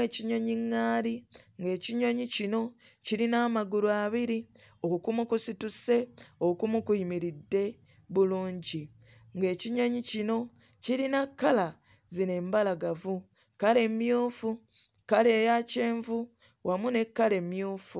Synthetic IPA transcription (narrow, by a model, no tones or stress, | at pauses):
eciɲoɲiŋːaːɾiŋɡe̞ːciɲoɲicino̞ciɾinaːmaɡuɾuaβiɾiokumukusituse̞okumukuimiɾidːe̞ | βuluːɲɟi | ŋɡe̞ːciɲoɲicino̞ | ciɾinakːala | zine̞ːmbalaɡavu | kale̞mjuːfu | kale̞ːjace̞ːɱvu | wamune̞kːale̞mjuːfu